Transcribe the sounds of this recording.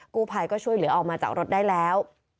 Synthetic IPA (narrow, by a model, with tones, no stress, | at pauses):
kuː˥˩pʰa˧jkɔː˥˩t͡ɕʰu˥˩əjlɯ˩˦ʔɔː˧˩maː˧t͡ɕa̰ː˨˩k̚ɾo˦˥t̪̚daː˥˩jlɛː˦˥w